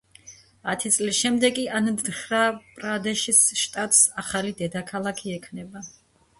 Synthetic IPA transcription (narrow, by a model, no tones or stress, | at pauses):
at̪ʰit̪sʼlisʃɛmd̪ɛkʼiand̪χɾapʼɾad̪ɛʃisʃt̪ʼat̪ʼsaχalid̪ɛd̪akʰalˠakʰiɛkʰnɛba